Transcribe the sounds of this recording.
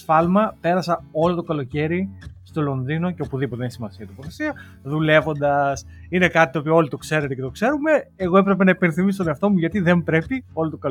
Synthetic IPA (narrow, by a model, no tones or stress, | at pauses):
fɐlmɐpe̞ɾɐsɐo̞lo̞t̪o̞kɐlo̞ce̞ɾist̪o̞lo̞nðino̞ceo̞puðipot̪ensimɐsiɐt̪opoθesiɐ | ðule̞vo̞nd̪ɐs | ine̞kɐt̪it̪opiɐo̞lit̪o̞kse̞ɾet̪ecet̪o̞kse̞ɾume̞eɣo̞e̞pɾe̞p̬e̞nɐipe̞nθimisot̪oneɐft̪o̞muʝɐt̪iðe̞mbɾe̞pio̞lot̪okɐl